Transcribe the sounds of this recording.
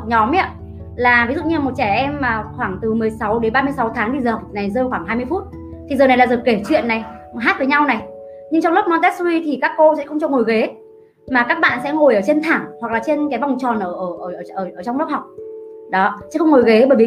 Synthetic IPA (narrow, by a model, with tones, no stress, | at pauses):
ɲɔ˨˦mʔa˦˧˥ | laː˨˩vi˨˦zṵ˧˨ɲ˧˨mo˨˩t̚t͡ɕɛ˧˩ʔɛ˧mmaː˨˩xwaː˧˩ŋt̪ɨ˨˩mɨ˨˩əjsa˨˦wɗe˨˦nɓaː˧mɨ˧əjsa˨˦wt̪ʰaː˨˦ŋt̪i˨˩zəː˨˩na˨˩jzəː˧xwaː˧˩ŋɦaː˧jmɨ˧əfu˦˥t̚ | t̪ʰi˨˩zəː˨˩na˨˩jla̰ː˨˩zəː˨˩ke˧˩t͡ɕwḭ˧˨ənːa˨˩jɦaː˦˥t̚vəː˨˦ɲa˧wna˨˩j | ɲɨ˧ŋt͡ɕɔ˧wŋ͡mlʊ˦˥p̚nɔ˨˦t̪ɛ˦˥k̚wi˧t̪ʰi˨˩kaː˦˥kːo˧sɛ̰˧˥xə˧ŋ͡mt͡ɕɔ˧˩ŋo˨˩jɣe˨˦ | maː˨˩kaː˦˥k̚ɓa̰ː˧˨nsɛ̰˧˥ŋo˨˩jʔəː˧˩t͡ɕe˧nt̪ʰaː˧˩ŋhwa˨˩k̚laː˨˩t͡ɕe˧nkaː˨˦jva˨˩wŋ͡mt͡ɕɔ˨˩nʔəː˧˩ʔəː˧˩ʔəː˧˩ʔəː˧˩ʔəː˧˩ʔəː˧˩t͡ɕɔ˧wŋ͡mlə˦˥p̚hɦa˨˩wk͡p̚ɗɔ˨˦t͡ɕɨ̰˧˦xə˧wŋ͡mŋo˨˩jɣe˨˦ɓəː˧˩jvi˨˦